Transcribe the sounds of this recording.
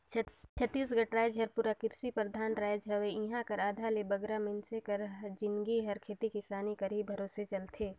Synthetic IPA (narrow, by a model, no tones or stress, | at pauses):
t͡ʃʰət̪ːiːs̬ɡɐʈɾaːjd͡ʒɦɐɾpuːɾakɪɾsipɾəd̪ʱaːnɾaːjd͡ʒɦɐʋeĩɦãkəɾaːd̪ʱalebɐɡɾamɪnsekɐɾd͡ʒɪnɡiɦɐɾkʰeːt̪ikisaːnikɐɾibʱəɾoːset͡ʃɐlt̪ʰeː